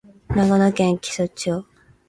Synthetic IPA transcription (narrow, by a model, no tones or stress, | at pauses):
naɡanokẽŋkʲi̥sot͡ɕo